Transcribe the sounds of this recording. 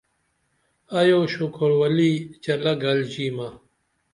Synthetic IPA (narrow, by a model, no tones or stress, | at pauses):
ɐjoːɕukʰoɾwɐliːt͡ɕɐlɐɡɐld͡ʑiːmɐ